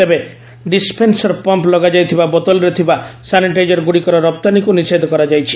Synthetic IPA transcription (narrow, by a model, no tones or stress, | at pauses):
t̪ebe | ɖispʰensɔɾpɔmplɔɡad͡ʒajt̪ʰibabɔt̪ɔlɾet̪ʰibasaniʈajd͡ʒɔɾɡuɽikɔɾɔɾɔp̚t̪anikunised̪ʱɔkɔɾad͡ʒajt͡ʃʰi̥